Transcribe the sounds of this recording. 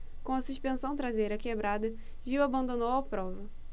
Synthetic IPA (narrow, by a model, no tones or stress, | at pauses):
kõɐsuʃpẽsɐ̃w̃t̪ɾazejɾɐkebɾad̪ɐ | ʒiwabɐ̃nd̪onowɐpɾɔvɐ